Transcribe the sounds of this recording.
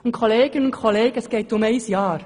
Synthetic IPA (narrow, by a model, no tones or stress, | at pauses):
ʊnt̚kʰoleːɡɪnəʊnkʰoleːɡ̥əɛsɡ̥eɪtʊmeɪsjɑːɾ